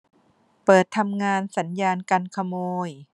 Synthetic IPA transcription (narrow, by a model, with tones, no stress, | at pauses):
pɤː˨˩t̪ʰːa˧mŋaː˧nsa˩˦njaː˧nka˧nkʰa˧moː˧j